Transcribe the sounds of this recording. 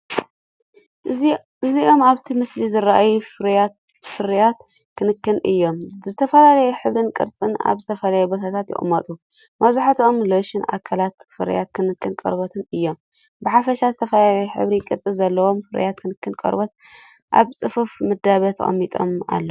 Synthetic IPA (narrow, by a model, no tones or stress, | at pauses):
ʔɨziʔo̞maβt̪ʰimɨslizɨɾaʔajufɾat̪ | fɨɾjat̪ | kʰɨnɨkʰːɨnʔɨjːo̞mbɨzɨt̪ʰɐfɐlalɐjuħɨβɾɨnkʼɨ̰ɾt͡sʼɨna̰βzɨt̪ʰɐfɐlajubot̪ʰat̪ʰat̪jɪ̰ʔʼmːɐt̪ʼu | mɐβzuħat̪ʰomloʃɪnʔa̰kʰalat̪fɨɾja̰t̪kʰɨnɨkʰːɨnkʼɐ̰ɾbot̪ʰɨnɨjːo̞m | bɨħafɐʃazɨt̪ʰɐfɐlalɐjuħɨ̰βɾikʼɨɾt͡sʼɨzɐlːɐwo̞mfɨɾ̰jat̪̚kʰɨnɨkːɨnkʼɐ̰ɾbot̪̚ | ʔa̰βt͡sʼɨfufmɨd̪aβɐt̪ʰɐ̰ʔʼɐ̰mːit̪ʼo̰ma̰lːɐ